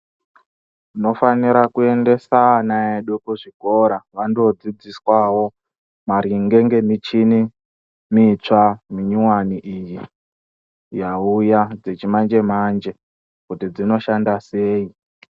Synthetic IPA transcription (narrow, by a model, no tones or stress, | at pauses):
ino̞faniɾakue̞nde̞sanaeɗokuʐiko̞ɾaʋandod͡zid͡ziswawo̞ | maɾiŋɡe̞ŋɡe̞mit͡ʃini | mit͡ʂamiɲuwaniʔiji | jaujad͡zet͡ʃimand͡ʒe̞mand͡ʒe̞ | kutid͡zino̞ʃandase̞ːi